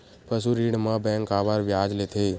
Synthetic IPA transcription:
pʰəs̬uɾiɽmãbɛ̃ŋkabaɾʋjad͡ʒlet̪ʰe

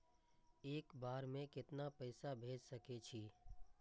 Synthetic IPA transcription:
eːkbaːɾmẽkɪt̪napəɪsabʱeːd͡ʒsɐket͡ʃʰi

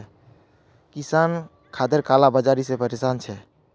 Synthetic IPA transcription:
kisan | kʰad̪eɾkalabəd͡ʒaɾisepət̪isant͡ʃʰɛ

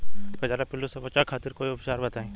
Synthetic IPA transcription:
bɐd͡ʒaːɾepɪlːusɐpɐt͡ʃakʰaːt̪ɪɾkoːiʊpʃaːɾbɐt̪aːẽː

